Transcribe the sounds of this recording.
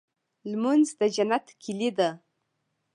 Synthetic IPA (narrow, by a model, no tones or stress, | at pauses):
lmanzd̪əd͡ʒanat̪kʰilid̪a